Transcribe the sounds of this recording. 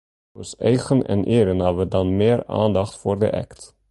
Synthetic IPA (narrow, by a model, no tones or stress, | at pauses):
øsɛjχənɛ̰nʔeːɾənɑvədɑnmeːɾa̰ːnd̪ɑχtfoːrdə̰ʔɛ̰kt